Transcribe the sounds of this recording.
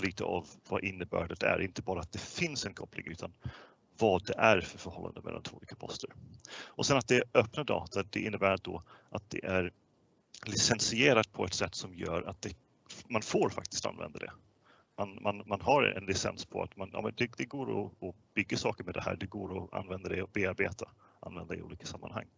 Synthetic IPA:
liːt̪ʰə̰ʔavːaʔɪnːəbæːɖɛt̪æ̰ɾʔɪnt̪əbɑːɾaːt̪̚d̪ɛfɪnsɛnkʰɔplɪ̰ŋʉ̟ːt̪ʰan | vɑd̪ɛʔæɾfœɾfœɾhɔlːa̰nd̪əmɛ̰lːant̪ʰvoːliːkapʰɔst̪ʰəɾʔɔsɛnat̪̚d̪ɛœpnad̪ɑ̰ːt̪ʰad̪ɛʔɪnːəbæːɾad̪ɔʔat̪̚d̪ɛ̰ʔæɾ | lɪsɛnsɪeːɾat̪̚pʰɔɛt̪sɛt̪ːsɔmjœːɾat̪̚d̪ɛ | manfoːɾfa̰k̚t̪ɪ̥st̪a̰nvɛ̰nd̪ad̪ɛ̰ | manmanmanɦaɾɛ̰nlɪsɛnspʰɔa̰t̪manjɑ̰ːmɛnd̪ɛd̪ɛɡoːɾɔ̰ːb̥ʏɡːasɑːkəɾmɛd̪ɛhæ̰ːɖɛɡoːɾɔa̰nvɛnd̪ad̪ɛɔbeːaɾbeːt̪ʰaʔa̰nvɛnd̪aɪṵːliːkḁsamːa̰nha̰ŋː

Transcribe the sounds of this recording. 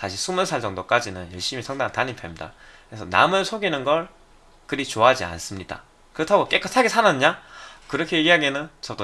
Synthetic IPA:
saɕʰisʰumɯnsʰaɭd͡ʑʌŋdok͈ad͡ʑinɯnjʌɭɕ͈imisʰʌŋdaŋantaɲimpʰemɲida̰kɯɾesʰʌna̰mɯɭsʰoɡinɯnɡʌɭ | kɯɾit͡ɕoad͡ʑia̰ns͈ɯmɲida̰ | kɯɾʌtʰaɡok͈ek͈ɯtʰaɡesʰanaɲakɯɾʌkʰe̞jeɡiɦaɡenɯnt͡ɕʌd͈o

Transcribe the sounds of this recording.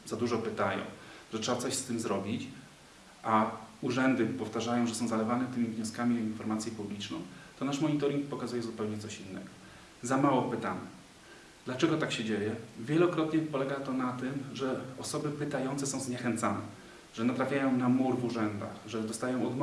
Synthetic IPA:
zad̪uʐɔpɘt̪ajɔ̰̃w̃ʐɛtʂɛbat̪ɔɕst̪ɘmzɾɔbʲit͡ɕ | ʔauʐɛnd̪ɘpɔft̪aʐajɔ̃w̃ʐɛsɔ̃w̃zalɛvanɛt̪ɘmʲivɲɔskamʲiɔinfɔɾmat̪sʲjɛpublʲit͡ʂnɔ̰̃w̃t̪ɔnaʂmɔɲit̪ɔɾʲiŋk̚pɔkazujɛzupɛwɲɛt̪ɔɕinːɛ̰ɡɔ̥ | zamawɔpɘt̪aɲɛ | d̪̥lat͡ʂɛɡɔt̪akɕɛd͡ʑejɛvʲjɛlɔkɾɔt̪ɲɛpɔlɛɡat̪ɔnat̪ɘmʐɛɔsɔbɘpɘt̪ajɔnsɛsɔ̃w̃zɲɛxɛnt̪sanɛ̰ | ʐɛnat̪ɾafʲjajɔ̃w̃namuɾvuʐɛnd̪a̰xʐɛd̪ɔst̪ajɔ̃w̃ɔd̪m

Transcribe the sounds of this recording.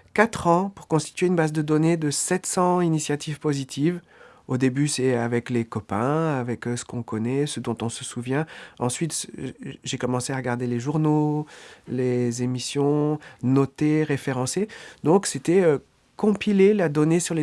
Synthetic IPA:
kat̪χɑ̃puʁkɔ̃st̪i̥t̪ɥeynbazd̪əd̪ɔned̪əsɛt̪sɑ̃inisjat̪ivpozit̪ʰiv | od̪ebysɛavɛklekɔpɛ̃avɛksə̥kɔ̃kɔnɛsəd̪ɔ̃t̪ɔ̃səsuvjɛ̃ɑ̰̃sɥit̪sʒekɔmɑ̃seaʁəɡaʁd̪eleʒuʁno | lezemisjɔ̃nɔt̪eʁefeʁɑ̃sed̪ɔ̃kset̪ɛø | kɔ̃pilelad̪ɔnesyʁle

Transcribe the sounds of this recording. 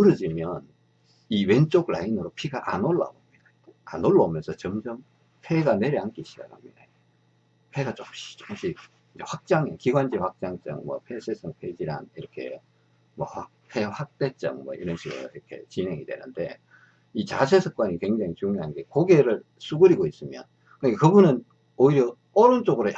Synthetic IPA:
kɯɾɯd͡ʑimjʌn | iwe̞nt͡ɕ͈oɡla̰inɯɾopʰiɡaʔa̰noɭːa̰omɲid̥a | a̰noɭːaomjʌnsʰʌt͡ɕʌmd͡ʑʌm | pʰeɡane̞ɾjiank͈iɕʰid͡ʑa̰khamɲid̥a | pʰe̞ɡat͡ɕomɕi̥t͡ɕo̥mɕ͈ʰi | id͡ʑeɸwak̚t͡ɕ͈aŋekiɡwand͡ʑiɸak̚t͡ɕ͈aŋt͡ɕ͈ʌ̰ŋmwʌpʰe̞sʰesʰɯŋpʰed͡ʑiɾa̰niɾʌkʰe̞̰ | mwʌha | pʰeɸwak̚t͈e̞t͡ɕ͈ʌ̰ŋmwʌiɾʌnɕʰiɡɯ̰ɾoiɾʌkʰe̞̰t͡ɕine̞ŋidwe̞̰nɯnde̞̰ | it͡ɕat͡ɕʰesʰɯk̚k͈waɲikwe̞ŋd͡ʑaŋit͡ɕuŋɲoɦanɡe̞koɡe̞ɾɯɭ | s͈ʰuɡɯɾiɡois͈ɯmjʌn | kɯnɲikakɯbunɯn | oiɾjʌ | ʌɾɯnt͡ɕ͈oɡɯɾo

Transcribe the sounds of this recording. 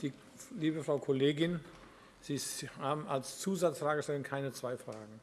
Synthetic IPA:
d̥iː | liːbəfʁ̥aʊkʰoleːɡɪn | z̥iːhaːbm̩alst͡suːzat͡sfʁ̥aːɡəəʃtɛlnkʰaɪnət͡sv̥aɪfʁ̥aːɡŋ̩

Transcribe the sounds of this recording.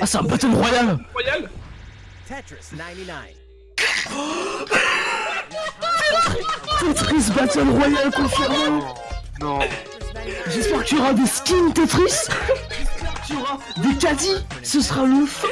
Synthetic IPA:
asɛt̪ɛ̃bat̪ɔlʁwajalwajal | t̪t̪et̪χis̬bat̪ɔlʁwajalkɔ̃fɛʁmɔ̃ | ʒɛspɛʁkət̪yɔʁad̪eskʲint̪et̪χisʒɛspɛʁkə̥t̪yɔʁad̪ekad̪isəsəʁaluf

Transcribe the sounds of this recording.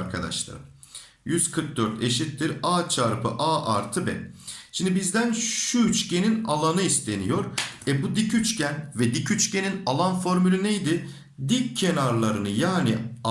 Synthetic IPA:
ɾkʰad̪a̰ʃlˠa̰ɾɯm | jyz̥kʰɯɾk̚d̪øɾt̪ʰeʃit̪ːiɾaːt͡ʃʰaɾpʰɯʔaːʔaɾt̪ʰɯbɛ̰ʃimnd̪ibizd̪ænʃuyt͡ʃcʰe̞ninalˠanɯist̪ʰe̞nijo̞ɾɛbud̪icyt͡ʃcʰænvɛd̪icʰyt͡ʃcʰe̞ninalˠanfo̞ɾmylʲynejd̪ɪ | d̪ikʰːenaɾlˠaɾɯnɯjaːnia

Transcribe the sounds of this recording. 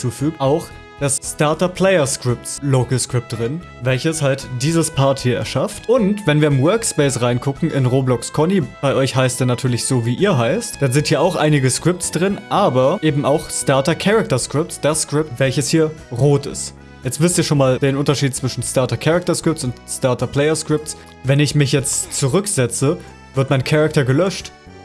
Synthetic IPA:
t͡suːfyːk̚ʔaʊx | d̥asstaɐtɐpʰl̥ɛɪɐskʁ̥ɪp̚tsloɡəskʁ̥ɪp̚t̚d̥ʁɪn | vɛlçəshaltd̥iːzəspʰaɐthiːɐɛ̰ɐʃaftʔʊntvɛnviːɐɪmwœɐkspɛɪsʁaɪnkʰʊkŋ̩ʔɪnʁoːblɔkskʰɔnib̥aɪʔɔʏçhaɪstɛːnatʰyːɐlɪçz̥oːviːʔiːɐɦaɪstd̥anzɪnthiːɐʔaʊxʔa̰ɪnɪɡəskʁ̥ɪp̚tt͡sd̥ʁɪnʔaːbɐʔeːbm̩aʊxstaɐtɐkʰɛʁak̚tɐskʁ̥ɪp̚tsd̥askʁ̥ɪp̚tv̥ɛlçəshiːɐʁoːtɪ̰st | jɛt͡stv̥ɪstiːɐʃoːnmaːld̥eːnʔʊntɐʃiːtt͡sv̥ɪʃn̩staɐtɐkʰɛʁak̚tɐskʁ̥ɪp̚tt͡sʊntstaɐtɐpʰl̥ɛɪɐskʁ̥ɪp̚ts | vɛnɪçmɪçjɛt͡stt͡suʁʏkz̥ɛt͡sə | v̥ɪɐtmaɪnkʰaʁak̚tɐɡəlœʃt

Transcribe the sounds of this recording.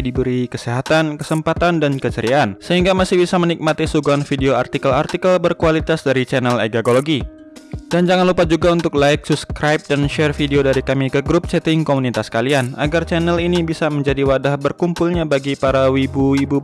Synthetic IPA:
dibəɾikəsiɦat̪ankəsəmpat̪andankət͡ʃəɾiaːnsəɦiŋɡamasɪhbisamənik̚mat̪isuɡuanfideoart̪ikəlart̪ikəlbərkualit̪asdaɾit͡ʃɛnɛlḛɡaɡoloɡi | dand͡ʒaŋanlupad͡ʒuɡaunt̪ʊk̚laɪksubskɾajp̚danʃɛrfideodaɾikamikəɡɾup̚sɛt̪ɪŋkomunit̪askaliana̰ɡart͡ʃɛnɛlinibisaməɲd͡ʒadiwadahbərkumpulɲabaɡipaɾawibuibu

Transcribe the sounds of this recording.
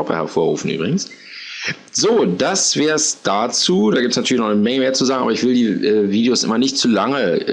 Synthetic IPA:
ɔpɐ̰hɛɐfoːɐʁṵːfn̩ʔy̰bʁɪɡŋ̩s | zoːd̥asv̥ɛːɐsd̥at͡suːdaːɡiːp̚tsnatyɐlɪçnɔχnəmɛŋəmeːɐt͡suzaːɡŋ̩aːbɐɪçv̥ɪldiːʔɛːviːdejosʔɪ̰mɐnɪçtt͡suːlaŋə

